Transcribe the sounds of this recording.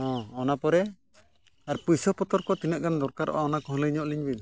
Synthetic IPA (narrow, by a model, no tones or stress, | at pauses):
ɔ̃ɔnapɔɾɛ | aɾpujsɔpɔt̪ɔɾkɔt̪inəʔ̚ɡand̪ɔɾkaɾʔɔ̰ʔaɔnakɔɦɔləiɲɔʔliɲbin